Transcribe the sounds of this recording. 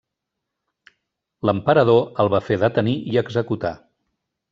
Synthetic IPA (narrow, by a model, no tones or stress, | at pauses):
ləmpəɾəð̞oəlˠβafeðət̪əniiəɡzəkut̪a